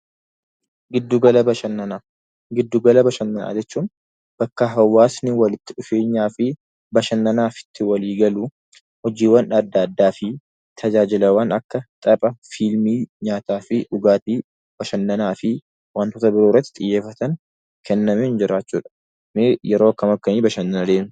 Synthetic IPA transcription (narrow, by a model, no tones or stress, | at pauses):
ɡɪd̪ːuɡɐlɐbɐʃɐnːɐnaː | ɡɪd̪ːuɡɐlɐbɐʃɐnːɐna̰ːd͡ʒɛt͡ʃːuːn | b̥ɐkːɐɦɐwːaːsnɪwɐlɪt̪ːɪᶑʊfeːɲːaːfɪ | bɐʃɐnːɐnaːfɪ̥t̪ːɪwɐliːɡɐlu | hɔd͡ʒiːwːɐnɐd̪ːɐːd̪ːaːfɪ | t̪ʰɐd͡ʒaːd͡ʒɪlɐwɐnɐkːɐt̪ʼɐpʼɐfilmiːɲaːt̪aːfɪʔʊɡaːt̪iː | b̥ɐʃɐnːɐnaːfɪ | wɐnt̪oːt̪ɐbɪɾoːɪrɐt̪ːɪ̥t̪ʼɪjːeːfːɐt̪ɐŋ | kʰɛnːɐmeɪnd͡ʒɪɾaːt͡ʃːṵːᶑɐ̥ | nejɛɾo̞ːɐkːɐmɐkːɐniːbɐʃɐnːɐnɐd̪eːmɪ̥